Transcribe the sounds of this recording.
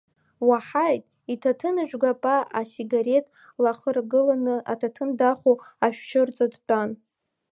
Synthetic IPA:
waħajtʼ | itʰatʰɨnɨʒᶣɡʷapʼaasiɡaɾe̞tʼ | laχərɡɨlanɨa̰tʰatʰɨndaχuaʃᶣʃɨrt͡sʼadt͡pʷʼan

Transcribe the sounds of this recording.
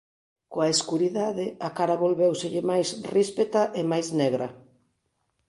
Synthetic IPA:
koaeskuɾiðaðɪakaɾaβolβewsɪʎɪmajsrispet̪aʔemajzneɣɾɐ

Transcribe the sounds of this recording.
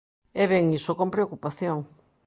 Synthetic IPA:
ɛβɛŋisokompɾeokupaθjoŋ

